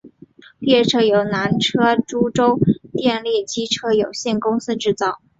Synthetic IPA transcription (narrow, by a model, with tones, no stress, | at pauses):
ljɛ˥˩ʈ͡ʂʰɤ˥˩jo˧˥ʊna˧˥nʈ͡ʂʰɤ˥ʈ͡ʂu˥ʈ͡ʂo˥ʊt̪jɛ˥˧nljɛ˥˩t͡ɕi˥ʈ͡ʂʰɤ˥jo˨˩ʊɕjɛ˥˩nkʊ˥ŋsɹ̩˥ʈ͡ʂɻ̩˥˧t͡sɑ˥˩ʊ